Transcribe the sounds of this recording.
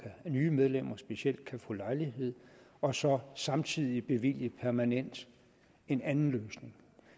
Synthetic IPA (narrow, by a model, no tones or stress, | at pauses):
ænyːmeð̞ˠlem̰ɐsb̥e̝ɕiel̰d̥̚kʰæfɔ̰̽lɑ̈ɪliɦe̝ð̰ˠɒ̽sɒ̽sɑ̈mt͡sʰið̞̰ˠib̥e̝ʋil̰jəpʰæɐmænen̰d̥ | e̝nænn̩løːsne̝ŋ